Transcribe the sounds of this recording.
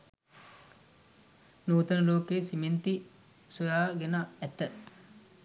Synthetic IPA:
nuːt̪ɐnəloːkeːsiment̪i | sujaːɡenaɛt̪ə

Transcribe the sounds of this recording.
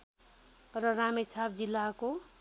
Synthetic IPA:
rʌramet͡sʰab̚d͡zilːako

